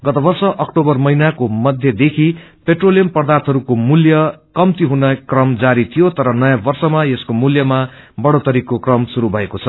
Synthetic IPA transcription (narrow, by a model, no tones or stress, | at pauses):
ɡʌt̪ʌbʌrsʌʔʌkʈobʌrmʌjnakomʌd̪ʱjʌd̪ekʰipeʈrolijʌmpʌrd̪art̪ʰɦʌɾukomuljʌkʌmt̪iɦunʌkrʌmd͡zaɾit̪ʰijot̪ʌɾʌnʌjabʌrsʌmajeskomuljʌma | bʌɽot̪ʌɾikokrʌmsuɾubʱʌekot͡sʰʌ̥